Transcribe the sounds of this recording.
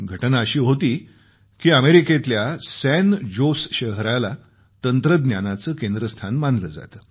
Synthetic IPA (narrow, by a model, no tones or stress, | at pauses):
ɡʱəʈnaəɕiːɦot̪iː | kiːəmeɾiket̪ljasænd͡ʑosɕəɦɾala | t̪ənt̪ɾəd̪njanat͡səːkẽnd̪ɾəst̪ʰanmanləd͡za̰t̪əː